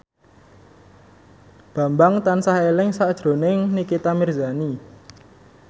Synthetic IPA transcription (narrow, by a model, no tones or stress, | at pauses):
b̥ä̤mbaŋt̪ansahelɪŋsaʔd̥ʒ̥ɾo̤nɪŋnikit̪amirzani